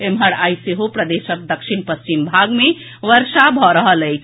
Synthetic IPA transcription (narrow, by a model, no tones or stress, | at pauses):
emɦəɽajseɦopɾəd̪eʃək̚d̪əkʃʰinpəst͡ʃimbʱaɡme | ʋəɾsabʱɔɾəɦələjt͡ʃʰ